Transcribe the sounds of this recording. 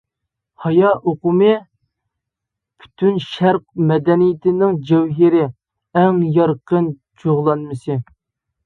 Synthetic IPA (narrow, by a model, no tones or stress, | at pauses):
hɑjɑʔoqʊmɨ | pʰy̥t̪ʰynʃæɾq̚mɛd̪ɛnijɪt̪ʰɪnɪŋd͡ʒɛwɦɪɾɪ | ɛŋjɑɾqən | t͡ʃʰoʁlˠɑnmɨsɨ